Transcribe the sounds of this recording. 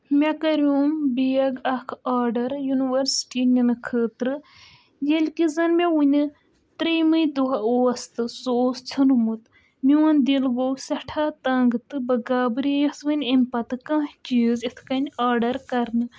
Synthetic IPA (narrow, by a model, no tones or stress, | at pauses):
mʲɐkɐɾuːmbijɐɡɐkʰaːɾɖɐɾjuniʋɐɾsʈinʲɐnɨkʰəːt̪ɾɨ | jelʲkizɐnmeunʲɨ | t̪ɾəjmɨjd̪uɦɐoɐst̪ɨsoːst͡sʰɨnumɨt̪ | miwɐnd̪ilɡoːɡsɐʈʰaːt̪ɐŋɡɨt̪ɨbɐɡaːbɨɾijɐsʋɨnʲemʲpɐt̪ɨkɐ̃ːɦt͡ʃiːzit̪ʰkɐnʲaːɾɖɐɾkɐɾnɨ